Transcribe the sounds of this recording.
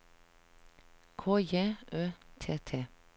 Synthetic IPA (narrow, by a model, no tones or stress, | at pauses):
kʰoːjeːʔøːt̪ʰeːt̪ʰeː